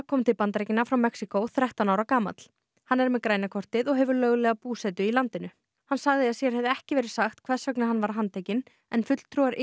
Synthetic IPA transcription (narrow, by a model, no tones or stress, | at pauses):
kʰɔːmt̪ʰɪlpant̪ɾejcɪnːafɾawmɛksikowθɾɛht̪anaːwɾakaːma̰t̪l̥ | hanːɛɾmɛðkɾaːjnakʰɔr̥t̪ɪðɔɣɦɛvʏɾlœɣlɛɣapuːsɛt̪ʏilant̪ɪnʏ | hansaɣðɪasjɛɾ̥ɦɛvðɪɛhcɪvɛːɾɪ̥saxt̪kʰv̥ɛr̥sœknaɦanːvaɾ̥ɦant̪ʰeːjcɪn | ɛnfʏt̪l̥t̪ʰɾuaɾʔ